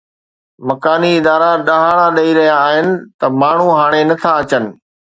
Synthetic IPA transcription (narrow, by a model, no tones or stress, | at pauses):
mɐkaːniɪd̪aːɾaɗɐɦaːɽ̃aɗɐiɾɐɦjaːɦɪnɪ̆t̪ɐmaːɳ̤uɦaːɽ̃enɐt̪ʰaɐt͡ɕənɪ̆